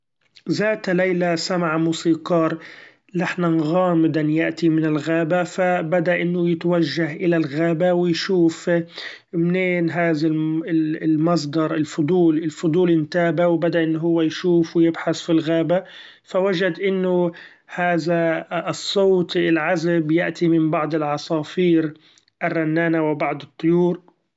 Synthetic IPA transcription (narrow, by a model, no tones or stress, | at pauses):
zaːt̪lajlasamaʕamuːsiːqɑːɾˤ | laħnanɣaːmɪd̪anjaʔt̪imɪnɪlɣaːbafabad̪aʔɪnːʊjɪt̪awaʒːaɦʔɪlalɣaːbawɪjʃuːf | mneːnɦaːðaɪlmɑs̬ˤd̪ɑɾˤɪlfʊd̪ˤuːlɪlfʊd̪ˤuːlɪnt̪aːbawbad̪aʔɪnːʊɦʊwːajʃuːfwɪjɪbħaθfilɣaːba | fawaʒad̪ʔɪnːʊ | haːðasˤːoːt̪ɪlʕazabjɪʔt̪imɪmbɑʕd̪ˤɪlʕɑsˤɑːfiːɾ | ʔɪrːɑnːaːnawɪbɑʕd̪ˤɨt̪ˤːʊjuːɾ